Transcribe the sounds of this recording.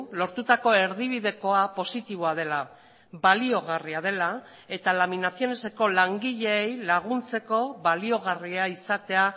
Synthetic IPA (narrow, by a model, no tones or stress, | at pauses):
lo̞ɾt̪ut̪ako̞e̞ɾðiβiðe̞ko̞apo̞sit̪iβ̞o̞að̞e̞la | balio̞ɣ̞ariað̞e̞la | e̞t̪alaminasio̞ne̞se̞ko̞laŋɡiʎe̞ːjlaɣ̞unt͡se̞ko̞βalio̞ɣ̞ariaisat̪e̞a